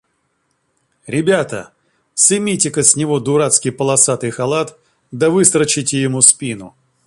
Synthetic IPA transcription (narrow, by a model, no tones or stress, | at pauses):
ɾʲɪbʲat̪ə̰ | sɨmʲitʲɪkəsʲnʲɪvod̪ʊɾat̪skʲɪjpəlˠɐsat̪ɨjxɐlˠat̪ | d̪əvɨst̪ɾət͡ɕɪtʲɪjɪmuspʲinʊ̰